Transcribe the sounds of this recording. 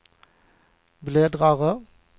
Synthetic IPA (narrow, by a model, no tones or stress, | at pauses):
bleːd̪ʁɑːʁə